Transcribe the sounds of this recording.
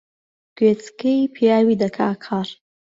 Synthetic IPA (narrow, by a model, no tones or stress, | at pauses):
ɡ̥wet͡skejpʰjɑwid̪əkʰɑkʰɑːɾ